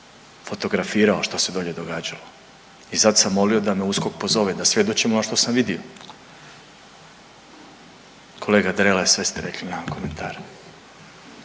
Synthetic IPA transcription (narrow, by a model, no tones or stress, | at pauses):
fot̪o̞ɡɾafiːɾaoʃt̪ose̞d̪oʎe̞d̪o̞ɡaːd͡ʑalo̞ | isad̪samːo̞lio̞d̪ame̞usko̞k̚po̞zo̞ʋed̪asʋje̞d̪o̞t͡ɕimonoʃt̪o̞samʋid̪io | kʰo̞leːɡad̪ɾelasʋe̞st̪eɾe̞klinako̞ment̪ʰaːɾ